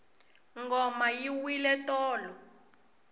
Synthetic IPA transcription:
ŋɡɔmajiwilɛtɔːlɔ

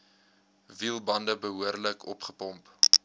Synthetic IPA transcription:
vilˠbɐndəbəɦuərləkʰɔ̰pχəpɔmp

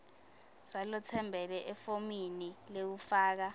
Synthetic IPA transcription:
zalɔt͡sʰɛmbʱɛlɛʔɛfominilew̬ufaːk̬a

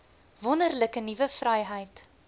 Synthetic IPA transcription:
vɔnərləkənivəfrɐjɦəjt

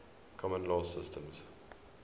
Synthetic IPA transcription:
kʰɔmə̃nlɔːsɪstə̃mz

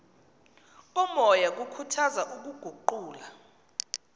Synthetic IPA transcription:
ɔmɔjak̬ukʰutʰazaʔuk̬uɡ̥ʱuǃuːla

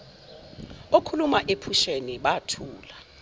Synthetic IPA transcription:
okʰulumaʔepʰuʃeniɓatʰuːla

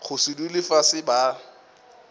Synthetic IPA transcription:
χʊsɪdulɪfasɪba

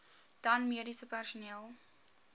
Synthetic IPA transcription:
d̥ɐnmiədisəpærsuniəlˠ

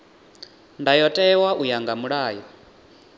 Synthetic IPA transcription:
ndajɔtʼɛwaʔujaŋɡamuɺaːjɔ

